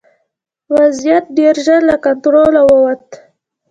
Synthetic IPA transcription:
wazjat̪̚ɖeɾʒəɾlakant̪ɾolawəwat̪

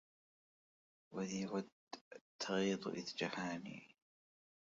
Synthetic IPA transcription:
wɪðiːwad̪ | t̪ʰːɑɣiːd̪ˤʔɪ̰ðd͡ʒahaːnḭː

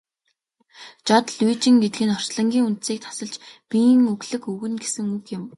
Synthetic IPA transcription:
t͡ɕɔt̪ɮwiːt͡ɕĭŋɡet̪ɘɡɘ̆nɔr̥t͡ɕɮɞ̆ŋɡʲiːŋunt̪siːk̚t̪ʰḁsə̆ɮt͡ɕpijŋɵɣɮɘ̆kɵɣɘ̆nɡesɘ̆ŋukjɪ̆m

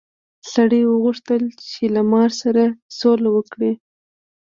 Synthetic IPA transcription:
saɽəjwəɣʊʂt̪əlt͡ʃelamɑɾsaɾasolawəkɽi

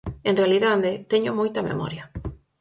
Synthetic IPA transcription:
ẽnrealiðaððet̪eɲomojt̪ɐmḛmɔ̰ɾjɐ

